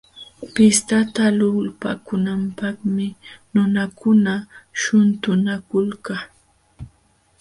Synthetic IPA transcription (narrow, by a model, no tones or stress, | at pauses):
pɪst̪at̪alʊlpa̰kʊnampaχmɪnʊnakʊnaʃʊnt̪ʊnakʊlka